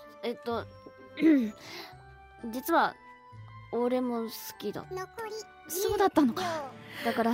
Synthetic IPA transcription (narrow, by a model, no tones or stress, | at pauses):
e̞t̪ːo̞ | d͡ʑit͡sɨβa | oɾe̞mo̞sɨ̥kʲid̪a̰ | so̞ːd̪at̪ːano̞kad̪akaɾa